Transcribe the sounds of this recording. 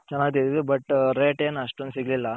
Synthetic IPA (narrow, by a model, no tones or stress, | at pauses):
t͡ʃɛnːaːɡit̪iɾiʋebɐʈɾeːʈeːnɐʂʈond̪siɡɐlilːɐ